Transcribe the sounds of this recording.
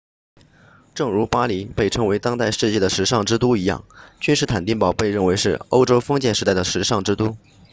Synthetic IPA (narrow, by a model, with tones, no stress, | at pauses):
ʈ͡ʂɤ˥˩ŋɻu˧˥pa˥li˧˥pe˥˩ɪʈ͡ʂʰɤ˥ŋwe˧˥ɪt̪ɑ˥ŋt̪a˥˧ɪʂɻ̩˥˧t͡ɕjɛ˥˩d̪ə˩ʂɻ̩˧˥ʂɑ˥˩ŋʈ͡ʂɻ̩˥t̪u˥i˧˥jɑ̰˥˩ŋt͡ɕy˥nʂɻ̩˥˩t̪ʰa˨˩nt̪i˥˩ŋpɑ˨˩ʊpe˥˧ɪɻə˥˩nwe˧˥ɪʂɻ̩˥˩o˥ʊʈ͡ʂo˥ʊfɤ˥ŋt͡ɕjɛ˥˩nʂɻ̩˧˥t̪a˥˩ɪd̪ə˩ʂɻ̩˧˥ʂɑ˥˩ŋʈ͡ʂɻ̩˥t̪u˥